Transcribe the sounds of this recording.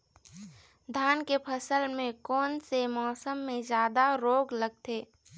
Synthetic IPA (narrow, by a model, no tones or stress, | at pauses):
d̪ʱaːnkepʰəsəlmẽkɔːnsemɔːsəmːẽzjaːd̪aɾoːɡləɡ̚t̪eː